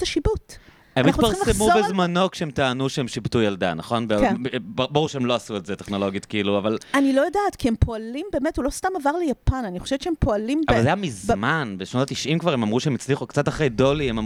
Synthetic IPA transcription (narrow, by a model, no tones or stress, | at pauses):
taʃibut | emnmiat̪upaʁismlemubezmanokʃeemtaːnuʃeemʃibtujalda̰naχo̞nbekbaʁuʁʃeemlo̞asuetzeteχno̞lo̞ɡjot̪kiluavalanilo̞jodaːtkiempo̞alimbe̞ːmetulo̞stamavaʁlejapananiχoʃevtt͡ʃeempo̞alimavvalzeajamizmanbeʃno̞tat̪iʃʔimkvaʁemamʁuʃeemit͡sliχukt͡sataχejdo̞liemam